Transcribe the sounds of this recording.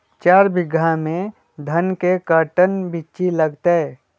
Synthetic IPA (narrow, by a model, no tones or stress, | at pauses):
t͡ʃaːɾbɪɡamẽ | d̪ʱənkekəʈənbit͡ʃiləɡt̪e